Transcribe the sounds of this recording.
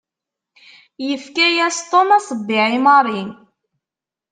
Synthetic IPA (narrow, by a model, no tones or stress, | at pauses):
jəfkæjæst̪ˤomɑsˤbːiʕimɑɾˤin